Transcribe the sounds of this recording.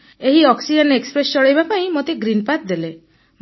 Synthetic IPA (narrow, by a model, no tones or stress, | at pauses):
eɦiɔksid͡ʒɔnekspɾest͡ʃɔɭajbapaĩmot̪eɡɾinpat̪̚d̪ele | m